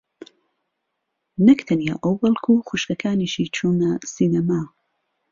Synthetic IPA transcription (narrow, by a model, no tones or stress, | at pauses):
nɐkt̪ʰɐnija̰ʔɐwbɐlˠkʰuxuʃkɐkʰaːniʃit͡ʃʰuːnɐsinɐmaː